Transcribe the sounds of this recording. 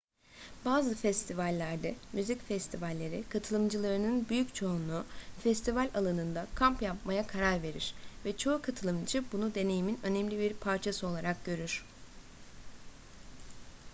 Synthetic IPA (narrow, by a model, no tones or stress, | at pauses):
b̥aːzɯfɛst̪ʰivalʲːæɾd̪ɛmyzicfɛst̪ʰivalʲːe̞ɾikʰat̪ʰɯlˠɯmd͡ʒɯlˠaɾɯnɯnbyjyct͡ʃʰo̞unufɛst̪ivalʲalˠanɯnd̪akʰampjapmajakʰaɾaɾve̞ɾḭɾ̥vɛt͡ʃʰo̞ukʰat̪ʰɯlˠɯmd͡ʒɯbunud̪e̞ne̞jiminø̞nɛmlʲibiɾpʰaɾt͡ʃʰasɯo̞lˠaɾak̚ɟø̞ɾyɾ̥